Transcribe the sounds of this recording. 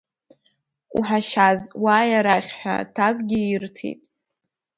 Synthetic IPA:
ṵħaʃazwajaɾaχʲħʷa̰tʰakʼɡʲɪirtʰḭtʼ

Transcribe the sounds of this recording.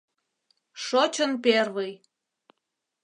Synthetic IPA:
ʃot͡ɕənperβəj

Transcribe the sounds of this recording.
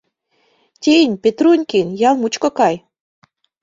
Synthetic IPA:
tʲenʲpʲet̪ɾunʲkʲinʲjɑlˠmut͡ɕkŏkɑj

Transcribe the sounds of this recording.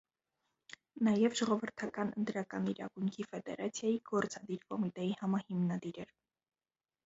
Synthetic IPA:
nɑjɛvʒɔʁɔvəɾt̪ʰɑkɑnə̰nt̪ɾɑkɑniɾɑ̰ɡujŋkʰifɛd̪ɛɾɑt͡sʰjɑjiɡ̥ɔɾt͡sɑd̪iɾkɔmit̪ɛjihɑmɑhimnɑd̪iɾɛɾ

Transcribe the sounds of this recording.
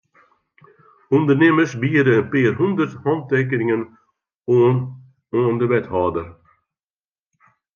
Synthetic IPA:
und̪ərneməsbiədəənpeːrɦundərthɑnteːk̬əɾɪŋən | oːəndəʋɛthɑːdər

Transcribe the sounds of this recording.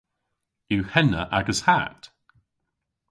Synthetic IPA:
jʉhɛnəʔaɡəz̥ha̰t

